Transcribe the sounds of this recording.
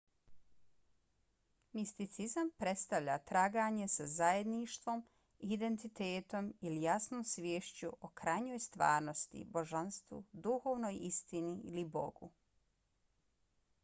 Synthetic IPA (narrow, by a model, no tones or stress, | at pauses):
mist̪it̪sizampɾe̞t̪st̪aʋʎat̪ɾaːɡaːɲe̞sazaje̞d̪niʃt̪ʋo̞m | id̪e̞nt̪it̪eːt̪o̞milijasnoːmsʋʲjeːʃt͡ɕuʔokɾajɲo̞ːjst̪ʋa̰ːɾnost̪ḭbo̞ʒanst̪ʋṵd̪uxo̞ːʋno̞ːjist̪iniḭlibo̰ɡṵ